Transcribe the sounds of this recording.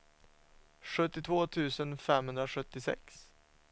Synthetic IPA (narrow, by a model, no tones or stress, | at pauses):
ʂɵt̪ːɪt̪ʰvoːt̪ʰʉ̟ːsənfɛmhɵnd̪ɾaʂɵt̪ːɪsɛ̰ks